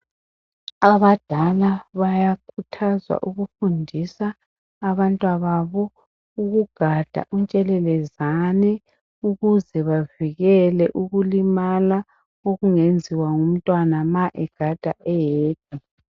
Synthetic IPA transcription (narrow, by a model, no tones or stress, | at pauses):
aβad̥ʱalaβajakʰutʰazwa̰ʔuɣufundʱisaː | βantʼwaβaβɔ | uɣuɡ̥ʱad̥ʱa̰ʔunt͡ʃʼɛlɛlɛzanɛ | uɣuzɛβaviɣɛlɛʔuɣulimala | oɣuŋend͡zʱiwaŋum̩tʼwanamaʔɛɡ̥ʱad̥ʱaʔɛjeːd̥̚ʰʱʼi